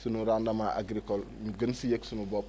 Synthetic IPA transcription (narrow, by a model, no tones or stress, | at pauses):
sinuɾandamaʔa̰ɡɾikɔl | ɡənsijeksunubɔp